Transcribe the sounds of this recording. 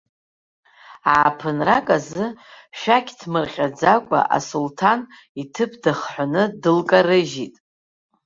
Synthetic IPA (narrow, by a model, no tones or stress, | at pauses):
aːpʰɨnrakʼazɨʃᶣakʲʰʼtʰmɨrχʲʼad͡zakʷʼa̰ʔa̰sultʰan | itʰɨpʰdɨχħʷanɨdɨlkʼarɨʒitʼ